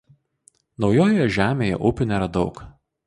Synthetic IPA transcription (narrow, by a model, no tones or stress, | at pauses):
nɒʊjoːjojɛʒʲæːmʲeːjɛ̰ʔʊpʲʊnʲeːɾɐd̪ɒʊk